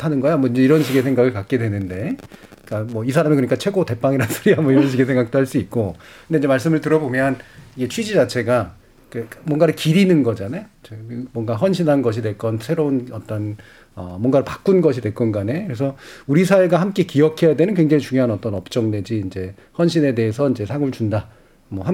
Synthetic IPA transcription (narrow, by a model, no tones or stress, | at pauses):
tʰanɯnɡʌjamʌind͡ʑe̞iɾʌnɕʰiɡesʰe̞ŋɡaɡɯɭkak̚k͈e̞dwe̞nɯnde̞ | k͈amʌisʰaɾamikɯɲik͈at͡ɕʰwe̞ɡote̞p͈aŋiɾansʰoɾiɦamʌiɾʌnɕ̬ʰiɡes̬ʰeŋɡak̚t͈oɦaɭs͈uit̚k͈okɯndeinɲd͡ʑemaɭs͈ɯmɯɭtɯɾʌbomjʌniɡe̞t͡ɕʰwid͡ʑid͡ʑat͡ɕʰe̞ɡa | kemwʌnɡaɾɯɭkiɾinɯnɡʌd͡ʑanajot͡ɕemwʌŋɡaɦʌnɕʰinanɡʌɕʰidwe̞ɭk͈ʌnsʰeɾounʌt͈ʌn | ʌ̰mwʌnɡaɾɯɭpḁk͈unɡʌɕ̬ʰidwe̞ɭk͈ʌnɡane̞kɯɾes̬ʰʌuɾisʰaweɡahamk͈e̞kiʌkʰe̞jadwe̞nɯnkwe̞ŋd͡ʑaŋit͡ɕuŋjoɦanʌt͈ʌnʌp̚t͡ɕ͈ʌŋne̞d͡ʑiːnd͡ʑe̞ | hʌnɕʰine̞de̞esʰʌind͡ʑe̞sʰaɡɯɭt͡ɕunda | mʌham